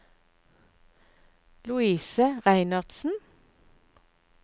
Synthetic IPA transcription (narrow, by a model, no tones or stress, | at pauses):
lʊiːsəʁæɪnɑʁd̪̥sn̩